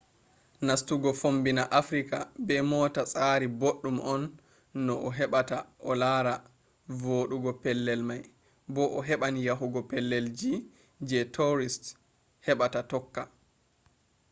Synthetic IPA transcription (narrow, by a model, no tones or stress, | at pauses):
nastuɡɔfombinaʔafɾikabɛmɔːtasʼaɾiboɗːumʔɔnː | ɔʔɔɦɛɓataʔɔlaɾa | voːɗuɡɔpɛlːɛlmaj | bɔʔɔɦɛɓanijaɦuɡɔpɛlːɛld͡ʒi | d͡ʒɛtʰɔɾist | hɛɓatatɔkːa